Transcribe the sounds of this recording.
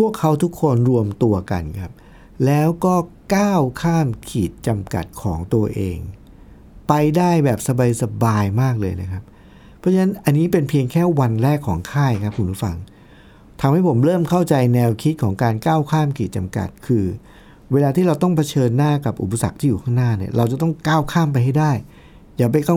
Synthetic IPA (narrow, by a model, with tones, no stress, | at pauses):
pʰu˥˩əkʰːa˦˥wt̪ʰu˦˥kʰːo˧nɾu˧əmt̪u˧ɐka̰˧nkʰa˦˥p̚ | lɛː˦˥wkɔː˥˩kaː˥˩wkʰaː˥˩mkʰiː˨˩t̪̚t͡ɕa˧mka̰˨˩t̪̚kʰɔː˩˦ŋt̪u˧ɐʔḛː˧ŋ | pa˧jdaː˥˩jbɛː˨˩p̚sa˧ba˧jsa˧baː˧jmaː˥˩k̚lɤː˧jna˦˥kʰa˦˥p̚ | pʰɾɔ˦˥t͡ɕʰa˧na˦˥nʔa˧nːiː˦˥pe˧npʰi˧əŋkʰɛː˥˩wa˧nɾɛː˥˩kʰːɔː˩˦ŋkʰaː˥˩jkʰa˦˥p̚kʰu˧mɾu˦˥˩fa̰˧ŋ | t̪ʰa˧mha˥˩jpʰo˩˦mɾɤː˥˩mkʰa˥˩wt͡ɕa˧jnɛː˧wkʰi˦˥t̪̚kʰɔː˩˦ŋkaː˧nkaː˥˩wkʰaː˥˩mkʰiː˨˩t͡ɕa˧mka̰˨˩t̪̚kʰɯː˧ | weː˧laː˧t̪ʰiː˥˩ɾa˧wt̪ɔ˥˩ŋpʰa˧t͡ɕʰɤː˧nːaː˥˩ka˨˩p̚ʔṵ˨˩p̬a˧sa̰˨˩k̚t̪ʰiː˥˩juː˨˩kʰaː˥˩ŋnaː˥˩ni˥˩ɾa˧wt͡ɕa˨˩t̪ɔ˥˩ŋkaː˥˩wkʰaː˥˩mpa˧jɦa˥˩jdaː˥˩j | jaː˨˩p̬a˧jka˥˩